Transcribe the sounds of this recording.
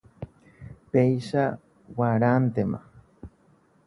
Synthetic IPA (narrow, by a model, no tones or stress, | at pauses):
pejʃa | waɾant̪ema̰